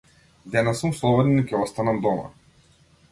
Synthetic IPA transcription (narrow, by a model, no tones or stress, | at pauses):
d̪ɛnasumslˠɔbɔd̪inikʲɛɔst̪anamd̪ɔma̰